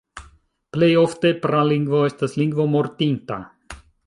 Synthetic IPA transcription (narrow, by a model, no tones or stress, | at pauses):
plejɔft̪epɾaliŋɡvoɛst̪asliŋɡvomɔɾt̪int̪a̰